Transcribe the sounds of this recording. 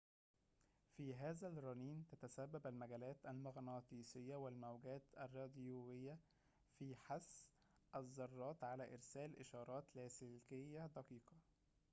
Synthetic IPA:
fiːɦæːzælɾˤɑniːnt̪æt̪æsæbːæbælmæɡæːlæːt̪ʔælmɑɣnɑːt̪ˤiːsɪjːæwælmæwɡæːt̪ʔærˤːɑːd̪juːwɪjːæ | fiːħasː | ʔæzˤːɑrˤːɑːt̪ʕalæːʔɪɾsæːlʔɪʃɑːɾˤɑːt̪læːsɪlkɪjːæd̪æqiːqɑ

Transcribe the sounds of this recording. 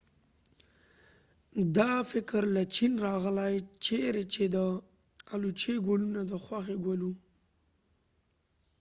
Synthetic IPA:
d̪ɑfɪkɾlat͡ʃinɾɑɣlajt͡ʃeɾet͡ʃed̪ə | alut͡ʃeɡolunad̪əxwaxeɡwolu

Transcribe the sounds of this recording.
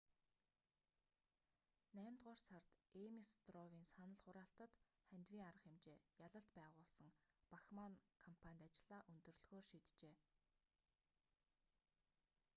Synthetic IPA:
næːmt̪ɢaːrsart̪emist̪rɔwiːnsanə̆ɮχʊɾaːɬt̪ə̆t̪ | χænt̪wiːŋaɾə̆χemt͡ɕeːjaɮə̆ɬt̪pæːʁʊːɮsə̆ŋpaxmankʰɔmpʰanʲt̪at͡ɕɪɮaːʔɵnt̪ɵ̆rɮɣoːrʃiːt̪t͡ɕeː

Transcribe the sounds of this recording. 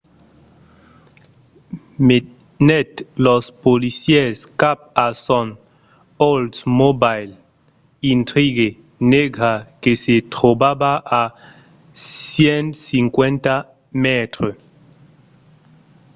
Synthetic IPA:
me | nɛt̪lospolisjɛskap̚asɔn | oldsmobajl | int̪ɾiɡe | neɡakeset̪ɾobabaʔa | sjensiŋkwent̪a | mɛt̪ɾo

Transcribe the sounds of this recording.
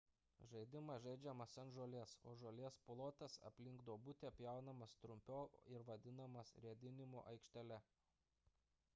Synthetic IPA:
ʒɐɪd̪ʲɪmɐʒɐɪd͡ʒʲɛmɐsɐnʒoːlʲeːso̰ːʒoːlʲeɛsplˠoːt̪ʲɛsɐ̰pʲlʲɪŋɡd̪oːbʊt̪ʲeːɐpʲjɛˑʊnɐmɐst̪ɾʊmʲpʲoːɪɾʋɐd̪ʲɪnɐmɐsɾʲiɛd̪ʲɪnʲɪmo̰ːʔɐɪkʃʲt̪ʲɛlʲɛ

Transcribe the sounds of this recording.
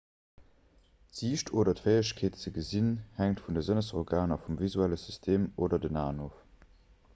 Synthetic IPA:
tz̥iːʃtʰoːdɐtvɜɪəɕkʰeːtt͡səɡəzinhæŋtfundəzənəsoʁɡaːnɐfumvizuæləsystʰeːmoːdɐdənaːnoːf

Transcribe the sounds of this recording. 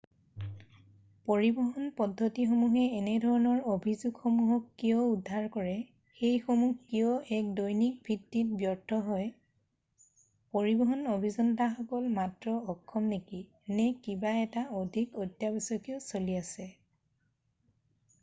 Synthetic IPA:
poɹibɔɦɔnpɔdʱːotixomuɦɛːnɛdʱɔɹɔnɔɹobʱizuɡxomuɦɔkːijɔudʱːaɹkɔɹɛ | xejxomuhkijɔʔɛk̚dojnik̚bʱitːit̚bjɔɹtʰɔɦɔj | poɹibɔɦɔnobʱizɔntaxɔkɔlmatɹɔːkʰːɔmneki | nɛkibaɛtaodʱikɔtjabisɔkijɔsoliasɛ

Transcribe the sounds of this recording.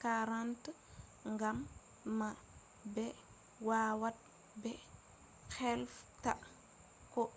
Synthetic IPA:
kaɾant | ŋɡamː | a | bɛ | wawat̚ | bɛ | xɛlfta̰ | kɔ

